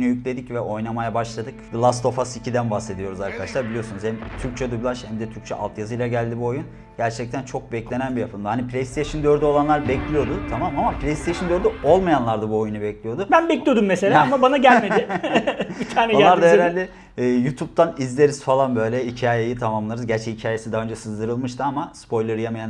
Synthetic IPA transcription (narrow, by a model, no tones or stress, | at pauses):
nujycʲlʲe̞d̪icvɛʔo̞jnamajabaʃlˠad̪ɯkblˠast̪ʰo̞fasicʰid̪ænbahse̞d̪ijo̞ɾuzaɾkʰad̪aʃlˠaɾbilʲijo̞sunuzhɛmt̪ʰyɾc̚t͡ʃʰɛd̪ublˠaʃhɛmd̪ɛt̪ʰyɾc̚ʲt͡ʃʰɛʔa̰lˠt̪ʰjazɯjlˠaɟælʲd̪ibuo̞jun | ɟ̥æɾt͡ʃʰɛc̚t̪ʰænt͡ʃʰo̞k̚bɛclʲe̞nænbijapʰɯmd̪hanipʰlʲejst̪ʰejʃɯnd̪øɾd̪yo̞lˠanˠaɾbɛclʲijo̞d̪ʊt̪ʰamamamapʰlʲejst̪ʰejʃɯnd̪øɾd̪yo̞lˠmajanlˠaɾd̪abuo̞junubɛclʲijo̞d̪ubænbɛclʲijo̞d̪umːɛselʲaamabanaɟælʲmeɪ | bit̪ʰaːnɛonˠaɾd̪aeɾalʲd̪ɛː | jut̪ʰup̚t̪ʰanizlʲe̞ɾiz̥falˠanbø̞jlʲɛicʰaːjejit̪ʰamamlˠaɾɯzɟæɾt͡ʃʰɛicʰaːje̞sid̪aːø̞nd͡ʒɛsɯzd̪ɯɾɯlˠmɯʃt̪ʰɯamaspʰo̞jlˠaɾɯjamajan